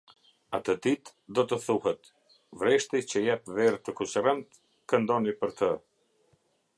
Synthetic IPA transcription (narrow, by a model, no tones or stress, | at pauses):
at̪əd̪it̪ | d̪ɔt̪əθuɦɛt̪ | vɾɛʃt̪it͡ɕəjat̪vɛɾt̪əkusərɛnt̪ | kənd̪ɔnipəɾt̪ə